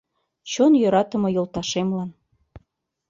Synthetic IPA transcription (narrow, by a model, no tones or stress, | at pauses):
t͡ɕonjøɾɑt̪ə̆mɤ̆jŏlt̪ɑʃemlɑn